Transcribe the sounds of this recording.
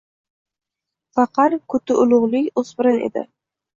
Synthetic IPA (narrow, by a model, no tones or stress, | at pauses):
fɑqɑɾkʰɵt̪ʰɪʔʊlˠʊʁlˠɪjosbɪɾanḛd̪ɪ̰